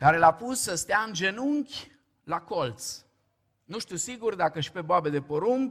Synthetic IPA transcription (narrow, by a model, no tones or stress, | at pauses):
kaɾe̞lapusːəst̪eaɨnd͡ʒe̞nuŋkʲ | lakolt̪s | nuʃt̪usiɡurd̪akəʃi̥pe̞boabe̞d̪e̞poɾuŋk